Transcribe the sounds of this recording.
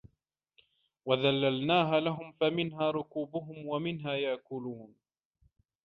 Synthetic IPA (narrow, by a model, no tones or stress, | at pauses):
waðalːalnaːɦaːlaɦʊmfamɪnɦaːɾˤʊkuːbʊɦʊmwamɪnɦaːjaʕkʊluːn